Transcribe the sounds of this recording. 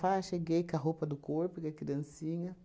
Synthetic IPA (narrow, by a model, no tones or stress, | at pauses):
faʃeɡejkaɦopɐd̪ʊkoɾpikakid̪ɐ̃nsiɲɐ